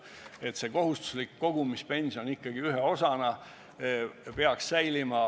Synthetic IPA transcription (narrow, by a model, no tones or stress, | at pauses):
e̞t̪se̞ko̞ɦust̪u̥slikːo̞ɡ̥umispe̞nʲsijo̞nikːɑɡ̥iyɦeo̞sɑnɑ | pe̞ɑksːæjlimɑ